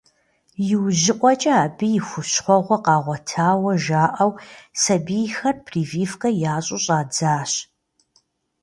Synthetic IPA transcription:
jɪwʑɪqʷʼɔt͡ʃʼɐaːbɨjɪxʷʊɕχʷɔʁʷɔqɑːʁʷɔtʰaːwɐʒaːʔɐwsɐbijxɐrpʰriːviːfkʼɐjaːɕʼʊɕʼaːd͡zaːɕ

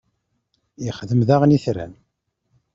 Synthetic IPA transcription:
iχðəmðaʁniθɾæ̰n

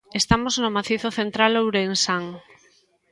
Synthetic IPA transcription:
est̪amoznomaθiθoθent̪ɾalowɾeŋsaŋ

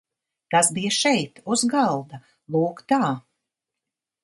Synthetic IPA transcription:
k̪asbijaʃɛjt̪uzɡalˠd̪a | lˠuːkt̪aː

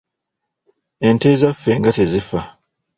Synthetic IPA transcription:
e̞nte̞ːzafːe̞ːŋɡate̞zifa

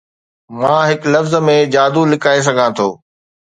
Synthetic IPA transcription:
mãːɦɪklɐfzəmẽd͡ʑaːd̪ulɪkaːes̬ɐɡʱãːt̪ʰo̰ː

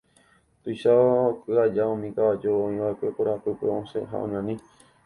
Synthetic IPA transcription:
t̪ujʃakɨad͡ʒaõmĩkaad͡ʒoõĩʋaekʷe̞koɾapɨpḛõsḛɦa̰ʔõ̰ɲãnĩ

